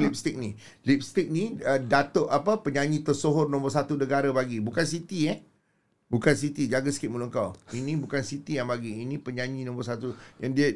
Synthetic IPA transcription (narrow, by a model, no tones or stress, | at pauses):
lip̚st̪ɪk̚ni | lip̚st̪ɪk̚nĩədat̪oʔapəpəɲaɲĩt̪ərsoɦʊrnɔ̃mbɔrsat̪unəɡaɾabaɡibukansit̪iɛ | bukansit̪id͡ʒaɡasə̥kit̪̚muluŋkawinĩbukansit̪ijaŋbaɡiːnĩpəɲãɲĩnɔ̃mbɔrs̬at̪ujaŋdiə